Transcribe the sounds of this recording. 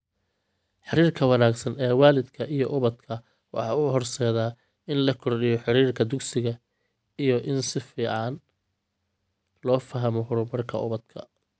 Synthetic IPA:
ħɪɾiːrkʰɐwɑnaːɡsɐnɛːwaːlɪd̪kʰɐʔijɔʔʊβɐd̪kʰɐ | wɑ̰ħɑ̰ːʊɦɔrsɛːðaː | ɪnlɐkʰɔrɖɪjɔħɪɾiːrkʰɐd̪ʊɡsɪɣɐ | ijɔʔɪnsɪfiːʕɑn | lɔːfɐɦɐmɔɦʊɾʊbɐrkʰɐ̰ʊ̰βɐd̪̥kʰɐ̰

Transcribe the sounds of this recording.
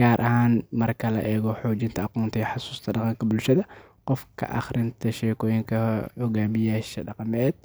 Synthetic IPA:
ɡaːɾʔɐhaːnmɐrkʰɐlɐ̰ʔɛːɣɔħɔːd͡ʒɪnt̪ʰɐɑqɔːnt̪ʰɛjħɑsu̥ːst̪ʰɐɖɑqɑŋkʰɐbʊlʃɐðɐ | qɔfkʰɐ̰ʔɑ̰χrɪnt̪ʰɐʃɛːkʰɔːjɪŋkʰɐhɔɡaːmɪjaːʃɐɖɑqmɛːd̪̥̚

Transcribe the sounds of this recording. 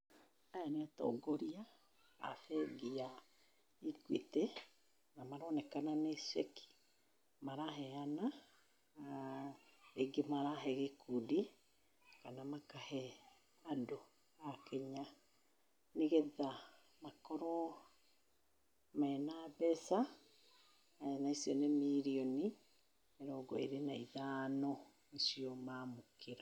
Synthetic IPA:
ajaneatɔ̰ːɡoɾia̰ː | fɛɡia | ikwḭte | namaɾɔnɛkananesḛkʰi̥ | maɾaɦɛana | eɡemaɾaɦɛɣekudi | kanamakahɛ | ado | akɛɲa | neɣeða | makɔɾɔ | maɛnabɛsa | naisiɔnemiɾiɔni | eɾɔɡɔḛɾenaiðaːnɔ | esiɔmamukeɾa

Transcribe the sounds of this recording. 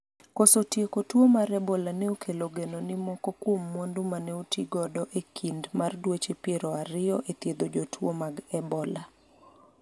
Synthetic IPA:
kosotjekotwomaɾɛbɔlanɛokʰeloɡenonɪmɔkɔkwomːondʊmanɛotiɡɔdɔʔekʰindmardwet͡ʃepjeɾɔaɾɪɔʔet̪jed̪od͡ʒotwomaɡɛbɔla

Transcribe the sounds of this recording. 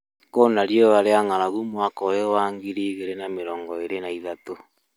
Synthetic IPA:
konaɾjoaɾeaŋaɾaɣumwakɔjowaŋɡiɾiɣeɾenameɾɔːŋɡɔeɾenaiðato

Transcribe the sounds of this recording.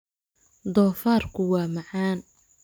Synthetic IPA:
d̪ɔːfaːrkʰʊwɑːmɑʕɑːn

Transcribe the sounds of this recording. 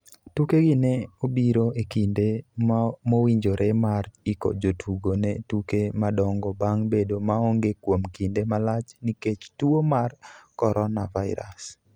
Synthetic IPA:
tukeɡɪneobiɾoekinde | mowiɲd͡ʒoɾemariko̰d͡ʒotʰuɡonetukemadɔŋɡɔbaŋbedomaoŋɡekwomkindemalat͡ʃniket͡ʃtuomarkɔɾɔnavaɪ̰ɾa̰s

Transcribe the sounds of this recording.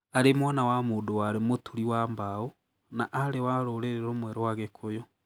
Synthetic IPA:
aɾemwanawamoːndowaɾemotʰuɾiwambao | naʔaɾewaɾoɾeɾeɾomwɛɾowaɣekʰojɔ

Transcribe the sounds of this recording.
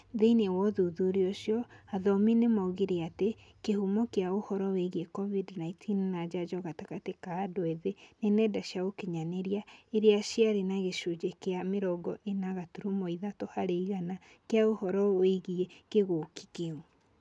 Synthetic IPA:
ðeinewɔðuðuɾioʃjɔaðɔminemɔɣeɾeate | kehumɔkeaohɔɾɔweɣiekɔvidnaitʰinnad͡ʒad͡ʒɔɣatakatekaːdwɛðenenɛdaʃjaɣokeɲaneɾiaeɾeaʃiaɾenaɣeʃod͡ʒekeameɾɔɡɔʔenaɣatuɾumoiðatohaɾeiɣana | keaohɔɾɔweɣiekeɣoki̥keo

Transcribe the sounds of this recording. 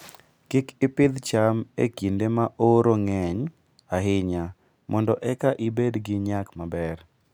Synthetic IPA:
kɪkɪpɪd̪t͡ʃamḛkindemaʔoɾoŋɛɲ | aɦɪɲa | mʔɔndɔʔɛkaʔibedɡɪɲakmabɛr

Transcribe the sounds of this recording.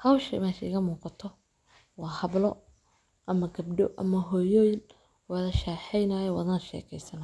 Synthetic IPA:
hɐwʃɐ̰mɛːʃɐɪɣɐmuːqɑt̪ʰɔ | wɑːhɐblɔ | ʔɐmɐɡɐbɖɔʔɐmɐɦɔːjɔːjɪn | wɑðɐʃaːħɛjnaːjɔwɐðɐnʃɛ̰ːkʰɛjsɐn

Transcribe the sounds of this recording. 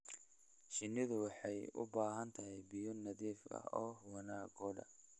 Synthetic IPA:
ʃɪnɪðʊwɑħɑjʊ̰baːɦɐnt̪ʰɐɦɛjbɪjɔnɐðiːfɐ̰ɔːwɐnaːɡɔːɖɐ̰

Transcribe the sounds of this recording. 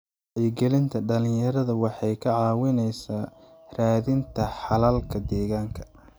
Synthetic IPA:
jɪɡɛlɪnt̪ʰɐɖɐlɪ̃jɐɾɐðɐwɑħɑjkʰɐʕɑːwɪnɛjsaːraːðɪnt̪ʰɐħɑlaːlkʰɐd̪ɛːɣaːŋkʰɐ̥

